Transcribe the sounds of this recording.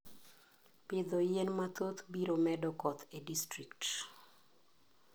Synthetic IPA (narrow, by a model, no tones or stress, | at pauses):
pɪd̪ɔjenmat̪ot̪biɾomɛdɔkɔt̪ʰedistɾikt